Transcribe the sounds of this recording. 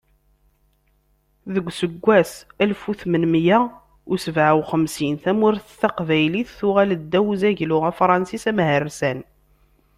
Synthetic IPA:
ðəɡʷːsəɡʷːæsælfuθmənmjæ | ʊsəvʕawχəmsinθæmʊɾθəθæqvæjliθːʊʁæləd̪ːæwzæʝlʊʁæfɾˤɑnsisæmɦərːsæn

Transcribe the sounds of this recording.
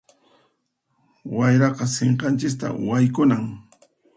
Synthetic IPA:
wajɾɑqɑseɴqɑnt͡ʃɪkt̪a̰wajkʊnaŋ

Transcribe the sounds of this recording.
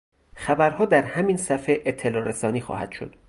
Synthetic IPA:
xæbæɾhɒːd̪æɾhæminsæfeʔet̪ʰːelɒːɾesɒːniːxɒ̰ːhæ̰d̪̥ʃod̪̥

